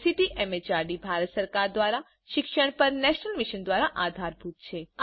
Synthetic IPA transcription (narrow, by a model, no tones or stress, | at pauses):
t̪ʰit̪iʔɛmet͡ʃaɾɖibʱaɾət̪səɾkaɾd̪ʋaɾa | ʃɪkʃəɽ̃pəɾnɛʃnəlmiʃənd̪ʋaɾaʔad̪ʱaɾbʱut̪t͡ʃʰe